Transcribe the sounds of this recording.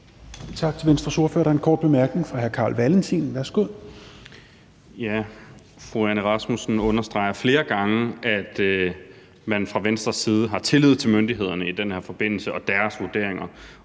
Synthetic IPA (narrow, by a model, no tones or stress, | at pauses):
t͡sʰɑ̈ɡ̥̚t͡sʰe̝lʋensd̥ʁɐsuɐfø̰ɐ̰ɾ̥ɑɐenkʰɒ̰ːd̥̚b̥e̝mæɐɡ̥ne̝ŋfʁɑ̈ɦæɐkʰɑ̈ːlʋælənt͡sʰḭnʋæɐsɡ̥oð̰ˠ | jæ | fʁuænəʁɑ̈smusn̩ɔ̽nɐsd̥ʁɑ̈ɪ̰ɐfle̝ːɐɡ̥ɑ̈ŋəæd̥ | mænfʁɑ̈ʋensd̥ʁɐsːiːð̞ˠəɦɑ̈t͡sʰe̝lið̰ˠt͡sʰe̝lmønd̥iɦe̝ð̞̰ˠɐnəid̥enhæɐfɒ̽b̥e̝n̰l̩səʔɒ̽d̥æɐsʋuɐd̥e̝ɐ̰eŋɐ